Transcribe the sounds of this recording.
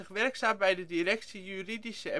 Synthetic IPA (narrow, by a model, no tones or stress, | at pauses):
ɪχʋɛɹksaːmbɛjdədiɾɛksijyridisəɛ